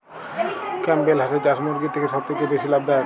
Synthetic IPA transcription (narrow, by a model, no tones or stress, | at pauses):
kɛmbelɦas̬ed͡ʑasmoɾɡit̪ʰekeʃɔb̚t̪ʰekebesilab̚d̪a